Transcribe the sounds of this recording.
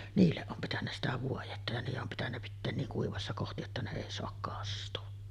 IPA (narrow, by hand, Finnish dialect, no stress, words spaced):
niːlːeʔ ʔom pitænːæ sitæ ʋuojetːɑ jɑ niːjeʔ ʔom pitænːæ pitːeːn niːŋ kuiʋɑsːɑ kohti jotːɑ ne eˑi soɑk kɑstuɑ